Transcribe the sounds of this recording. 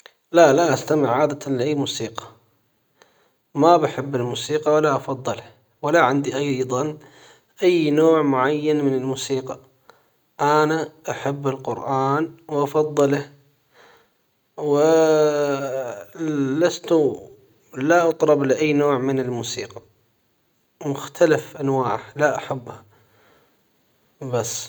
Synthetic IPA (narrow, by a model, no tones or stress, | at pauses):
lalaʔast̪amɪʕːaːd̪at̪anlɪʔajːmuːsiːqɑ̥ | mabaħɪbːɪlmuːsiːqɑwalːaʔɑfɑd̪ˤːɨl | wɪlaʕɪnd̪iʔɑjːðˤɑn | ʔajːnoːʕmʊʕajːanmɪnɪlmuːsiːqɑ | ʔanaʔaħabːɪlqʊɾʔaːnwʔɑfɑðˤːɨlah | wɪ | last̪u | laʔɑt̪ˤɾˤɑblɪʔajːnoːʕmɪnɪlmuːsiːqɑ | mʊxt̪ʰalafʔanwaːʕalaʔaħabːha | basː